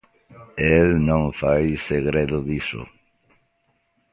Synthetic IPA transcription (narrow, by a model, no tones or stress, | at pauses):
elnõŋfajseɣɾeðʊðisʊ̰